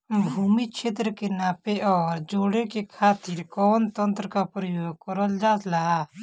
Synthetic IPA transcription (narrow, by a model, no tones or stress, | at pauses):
bʱuːmit͡ʃʰeːt̪ɾəkenaːpeʔɔːɾd͡ʒoːɽekekʰaːt̪ɪɾkɔːnt̪ə̃nt̪ɾəkapɾəjoːɡ̚kəɾəld͡ʒaːt̪laa